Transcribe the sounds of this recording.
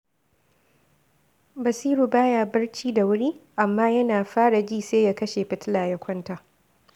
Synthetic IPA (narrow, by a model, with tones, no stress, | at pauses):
bɐ˨siː˦ɽu˨baː˦jaː˨bɐ˦rt͡ʃiː˦da˨wʊ˦ɽiː˦ʔa˨mːaː˦jɐ˦naː˨ɸaː˦ɽa˨d͡ʒiː˦˨seː˦ja˦kɐ˦ʃeː˨ɸɪ˨tɪ˦laː˨jɐ˦kʷɔ˦ntaː˨